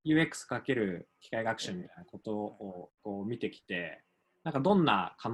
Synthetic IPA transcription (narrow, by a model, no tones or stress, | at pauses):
jɯ̟ːe̞kːɯ̥sɨ̥kake̞ɾɯ̟kʲi̥kaiɡakɯ̟ɕĩmːʲit̪ainako̞t̪o̞oko̞ːmʲit̪e̞kʲi̥t̪e̞ | nãŋkad̪õ̞nːa̰kʰan